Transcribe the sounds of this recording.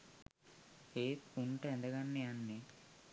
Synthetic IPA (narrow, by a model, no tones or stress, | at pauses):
heːt̪uɳʈəɛ̃nd̪ɐɡanːeanːe